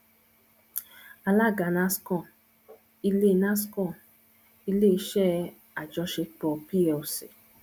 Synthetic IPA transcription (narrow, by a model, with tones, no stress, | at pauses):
a˧la˦˨ɡa˨nã˦skɔ̃˦˨ | i˧le˦˧nã˦skɔ̃˦˨ | i˧le˦i˧˦ʃɛ˦ | a˨d͡ʒɔ˧ʃe˧k͡pɔ˧˨pi˦ɛ˧o˨sḛ˨